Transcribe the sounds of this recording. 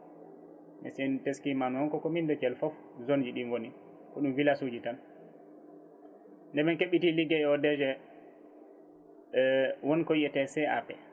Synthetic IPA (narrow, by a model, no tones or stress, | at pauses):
mɛ̰sɛnteskimanhɔnkɔkɔmindɔt͡ʃɛlfɔf | zond͡ʒiɗiŋwoni | kɔɗumvilasud͡ʒitan | ndɛmɛnkeɓitiliɡɛɛɔdɛd͡ʒɛ | wɔnkɔiɛtɛsɛa̰pɛ